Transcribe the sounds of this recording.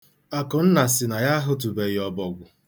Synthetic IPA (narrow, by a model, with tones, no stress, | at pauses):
a˨kʊ˨n̩˦na˨sɪ˨na˨ja˦ɦʊ˦t̬u˨be˨ɣɪ˨ɔ˨bɔ˨ɡʷʊ˨